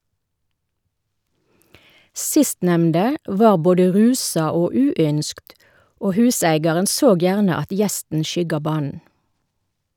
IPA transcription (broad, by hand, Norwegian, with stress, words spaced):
ˈsɪstnɛmndə ˈʋɑːʁ ˈboːdə ˈʁʉːsɑ ˈoː ˈʉːˌʏnskt ˈoː ˈhʉːsæɪɡɑʁən ˈsoːɡ ˈjæːʁnə ˈɑt ˈjɛstn ˈʃʏɡɑ ˈbɑːn̩